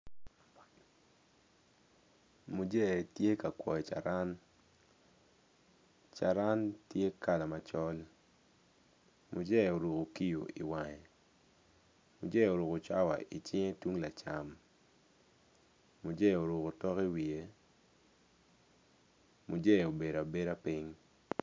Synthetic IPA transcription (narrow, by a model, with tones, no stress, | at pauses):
mu˨d͡ʒe˦˨tje˦ka˨kwɔ̰˨ɔ˨t͡ʃa̰˨ɾa˦n | t͡ʃa˨ɾa˦ntje˦ka˦la˨ma˨t͡ʃɔ˦l | mu˨d͡ʒɛ˦˨o˨ɾo˨ko˨ki˦jo̰˨ḭ˨wa˨ɲɛ˨ | mu˨d͡ʒɛ˦˨o˨ɾo˨ko˨t͡ʃa˦wa̰˨i˨t͡ʃɪ˦ŋe˦twu˦ŋla˨t͡ʃa˨m | mu˨d͡ʒɛ˦˨o˨ɾu˨ko˨tɔ˦ki˦wi˨e˦ | mu˨d͡ʒɛ˦˨o˨be˨ɾa˨be˦ɾa˦pɪ˦ŋ